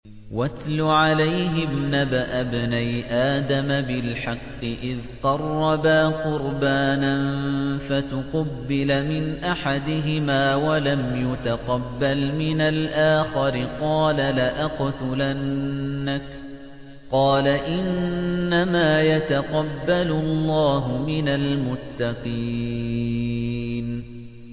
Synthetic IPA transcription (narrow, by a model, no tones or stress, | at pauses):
wat̪lʊʕalajɦɪbnabaʔabnajʔaːd̪amabɪlħɑqːɨʔɪðq̪ɑrˤːɑbaːqʊɾbaːnanfat̪ʊqɑbːɪlamɪnʔaħad̪ɪɦɪmaːwalamjʊt̪aqɑbːalmɪnalʔaːxɑɾɪqɑːlalaʔaqt̪ʊlanːak | qɑːlaʔɪnːamaːjat̪aqɑbːalʊlˤːɑːɦʊmɪnalmʊt̪ːɑqiː | n